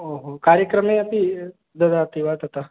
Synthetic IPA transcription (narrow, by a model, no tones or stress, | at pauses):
oɦokaːɾjəkɾəmẽɐpi | d̪ɐd̪at̪iʋat̪ɦɐt̪a